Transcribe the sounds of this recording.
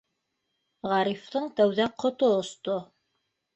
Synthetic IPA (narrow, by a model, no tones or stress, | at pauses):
ʁɑɾift̪ɤɴt̪æwðæqʰŏt̪oŏst̪o